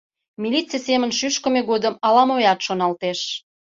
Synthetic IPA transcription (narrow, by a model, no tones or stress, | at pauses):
milʲit͡sijesemənʃyʃkə̆meɣod̪əmɑlɑmojɑt̪ʃonɑlt̪eʃ